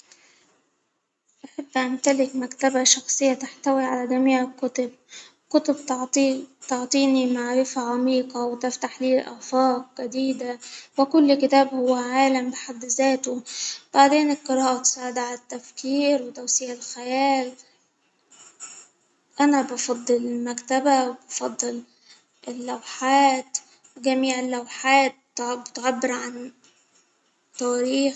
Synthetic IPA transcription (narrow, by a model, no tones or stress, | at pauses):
ʔaħɪbːʔant̪alɪkmakt̪abaʃɑxsˤɨjːat̪aħt̪awiʕalad̪amiːʕɪkʊt̪ʊb̚ | kʊt̪ʊbt̪ː | t̪ɑʕt̪ˤiːnimaʕɾɪfaʕamiːqɑwt̪ɪft̪aħliːlʔa̰ʕfɑːq̚ɡad̪iːd̪awɪkʊlːkɪt̪aːbhʊwːaʕaːlambɪħad̪ːzeːt̪ʊb̥aʕd̪eːnɪlqɨɾˤɑːʔt̪saːʕɪd̪aʕalat̪ːafkiːɾwɪt̪awsɪjalxajæːl | ʔanabɑfɑd̪ˤːɨlɪlmakt̪abawbɑfɑd̪ˤːɨl | ʔɪlːawħaːt̪ | wɪɡamiːʕɪlːawħaːt̪̚bɪt̪ʕabːɪɾʕan | t̪ːæːɾiːx